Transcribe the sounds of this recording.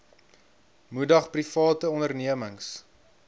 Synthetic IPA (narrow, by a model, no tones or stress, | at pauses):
mudɐχprifɑːtəɔndərniəməŋs